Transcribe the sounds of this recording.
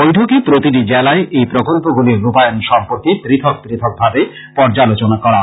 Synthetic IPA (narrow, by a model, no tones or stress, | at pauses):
bojʈʰokepɾot̪iʈid͡ʑɛlaeʔejpɾokolpoɡuliɾːupajonʃɔmpoɾkit̪ɾit̪ʰok̚t̪ɾit̪ʰok̚bʱabe | pɔɾd͡ʑalot͡ɕonakɔɾa